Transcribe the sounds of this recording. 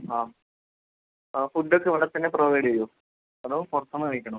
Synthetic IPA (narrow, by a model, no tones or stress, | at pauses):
aː | fuɖːokʲːeʋɐɽɐrt̪ːɐnːeproʋɐjɽɐjo | ɐðɐpɐrt̪ːɐmɐːɐjikʲːɐɳɐm